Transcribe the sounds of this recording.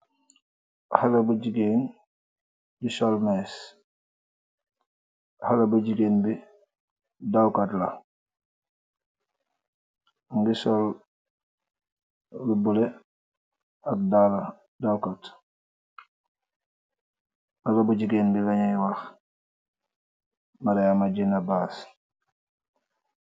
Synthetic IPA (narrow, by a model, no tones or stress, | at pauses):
halɐbuɟiɡeːn | ɟisolmɛs | halɐbuɟiɡenbi | dawkatla | ŋɡisol | lubule | ak̚dala | dawkat | halabuɟiɡeːnbilaɲajwax | maɾeamaɟinabaːs